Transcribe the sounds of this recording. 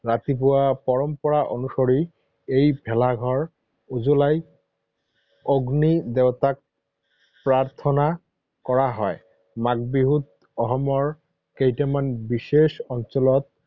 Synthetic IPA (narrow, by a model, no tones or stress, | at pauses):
ɹat̪ipʊwapɔɹɔmpɔɹaʔonusoɹi | ejbʱɛlaɡʱɔɹ | uzulaj | oɡnid̪ewt̪ak̚ | pɹaɹt̪ʰɔna | kɔɹaɦɔj | maɡ̚biɦut̪̚ | ɔxɔmɔɹ | kejtamanbiʃeʃɔnsɔlɔt̪̚